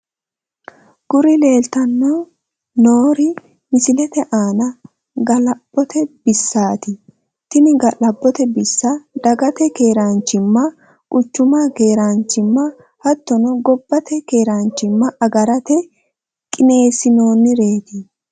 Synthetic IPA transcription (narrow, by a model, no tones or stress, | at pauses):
ɡ̥ʊɾɪle̞ːlt̪ɐnːo | noːɾɪ | mɪsɪlɛt̪ɛʔaːnɐ | ɡɐlɐb̥ːɔt̪ɛb̥ɪsːaːt̪ɪ | t̪ɪnɪɡɐlɐbːɔt̪ɛbɪsːɐd̪ɐɡɐt̪ɛke̞ːɾant͡ʃːɪmːɐ | kʼʊt͡ʃːʊmake̞ːɾant͡ʃːɪmːɐ | hɐt̪ːɔnɔɡɔbːɐt̪ɛke̞ːɾant͡ʃːɪmːɐʔɐɡɐɾɐt̪ɛ | kʼɪne̞ːsɪnoːnːɪɾe̞ːt̪ɪ